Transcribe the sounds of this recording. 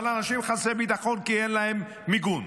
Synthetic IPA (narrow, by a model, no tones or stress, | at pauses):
lanaʃimχasebit̪aχonkienlahemː | iɡun